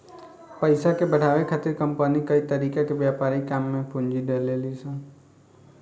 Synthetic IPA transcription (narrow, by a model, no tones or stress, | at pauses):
pəjsakebəɽ̤ʱaʋekʰat̪ɪɾkəmpənikəit̪əɾikakeʋjapaɾikamːẽpũɲd͡ʒid̪elelisə̃